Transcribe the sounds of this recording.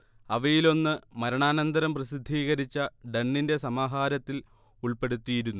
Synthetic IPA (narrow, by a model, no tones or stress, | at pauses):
ɐʋɐjilo̞nːɨmɐɾɐɳaːnɐnd̪ɐɾɐmprɐsid̪ʱːiːɣɐɾit͡ɕːɐɖenːinde̞sɐmaːɦaːɾɐt̪ːil | uɭpe̞ɽut̪ːijiɾunːu